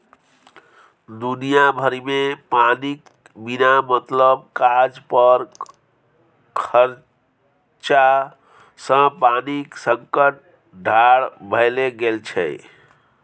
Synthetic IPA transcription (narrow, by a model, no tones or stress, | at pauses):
d̪unijabʱəɾimepanik | binamət̪ləb̚kad͡ʒpəɾ | kʰəɾ | t͡ʃa | sə̃paniksəŋkəʈ̚ | ɖʱaɽbʱəɪleɡelt͡ʃʰɛ̰